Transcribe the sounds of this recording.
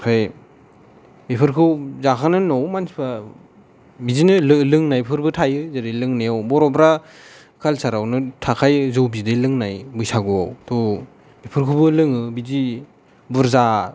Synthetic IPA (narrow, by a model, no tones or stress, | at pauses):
kʰaj | bipʰɯɾkʰɯwzakʰanɯnɔwmansi̥pa | bizinɯlɯlɯŋnajpʰɯɾbɯtʰajɯzadelɯŋnejawbɔɾɔbɾa | kʰalsaɾawnɯtʰakʰajzowbidelɯŋnajbujsaɡuawtɔ | bipʰɯɾkʰubɯlɯŋɯbizi | buɾza